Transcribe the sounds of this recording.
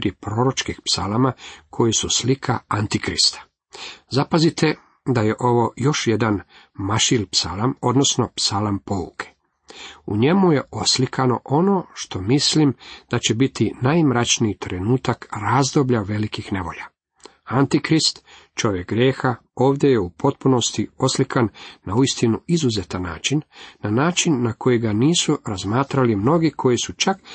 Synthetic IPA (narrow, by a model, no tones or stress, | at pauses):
ɾjepɾo̞ɾot͡ʃkixpsalamakʰo̞jisuslikʰa̰ant̪ikɾḭst̪ḁ | zapazit̪e | d̪ajeʔo̞ʋo̞jo̞ʃjed̪an | maʃilpsalamo̞d̪no̞sno̞psalampo̞ṵkʰe̥ | uɲe̞muje̞ʔo̞slikʰano̞ʔo̞no̞ʃt̪o̞mislimd̪̥at͡ɕe̞bit̪inajmɾat͡ʃniːt̪ɾe̞nuːt̪akɾazd̪o̞bʎaʋe̞likixne̞ʋo̞̰ʎa | ant̪ikɾist̪ | t͡ʃo̞ʋjek̚ɡɾjeːxao̞ːʋd̪je̞jeupʰo̞t̪̚puno̞st̪io̞slikʰanːauist̪inuizuze̞t̪anːa̰ːt͡ʃinːanaːt͡ʃinːako̞jiɡaniːsuɾazmaːt̪ɾalimno̞ɡikʰo̞jisut͡ʃak